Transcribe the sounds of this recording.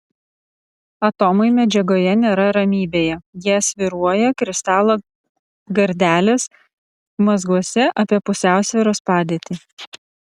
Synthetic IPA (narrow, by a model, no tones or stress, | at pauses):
ɐt̪ɔmɐɪmʲɛd͡ʒʲɛɡoːjɛnʲeːɾɐɾɐmʲiːbʲeːjɛjiɛɐsʲʋʲɪɾuɔjɛkɾʲɪst̪ɑːlˠoː | ɡɐɾʲd̪ʲæːlʲeːs | mɐzɡuɔsʲɛʔɐpʲiɛpʊsʲæˑʊsʲʋʲɪɾoːspɑːd̪ʲeːt̪ʲi